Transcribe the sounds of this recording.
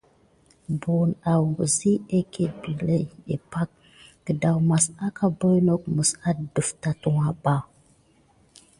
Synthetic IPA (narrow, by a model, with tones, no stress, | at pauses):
bu˨na˨wŋɡə˨zi˦e˦ke˦bi˨le˦e˨pa˦k̚ | kə˨da˨wma˨sa˦kʰa˦bo˦jno˦k̚mə˨sa˦də˨fta˨tu˨wa˨ba˦˨